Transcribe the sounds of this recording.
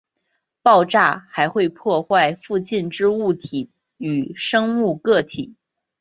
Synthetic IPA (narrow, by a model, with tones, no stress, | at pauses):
pɑ˥˧ʊʈ͡ʂa˥˩xa˧˥ɪxwe˥˧ɪpʰwɔ˥˧xwa˥˧ɪfu˥˧t͡ɕi˥˩nʈ͡ʂɻ̩˥u˥˩t̪ʰi˨˩ | y˨˩ʂɤ˥ŋu˥˧kɤ˥˩t̪ʰi˨˩˦